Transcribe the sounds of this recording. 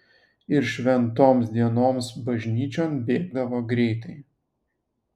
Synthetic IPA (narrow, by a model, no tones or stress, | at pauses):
ɪɾʃʲʋʲɛnt̪oːmsd̪ʲiɛnoːmsbɐʒʲnʲiːt͡ʃʲoːnbʲeːɡ̚d̪ɐʋoːɡɾʲɛɪt̪ɐɪ